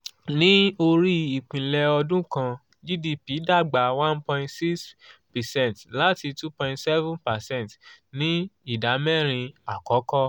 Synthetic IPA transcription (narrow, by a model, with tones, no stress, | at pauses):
nĩ˦o˧ɾi˦i˨k͡pĩ˨lɛ˧ɔ˧dũ˦kã˧ | d͡ʒi˦di˧pi˨˦da˦˨ɡ͡ba˨˦wã˦npɔ̃˧ĩ˧ntsi˦kspɛ˨sɛ̃˦˨ntla˦ti˧tu˦pɔ̃˧ĩ˦ntsɛ˦vũ˦npa˨sɛ̃˦˨ntnĩ˦i˦˨da˨˦mɛ˦˨ɾ̃ĩ˧a˨kɔ˨˦kɔ˦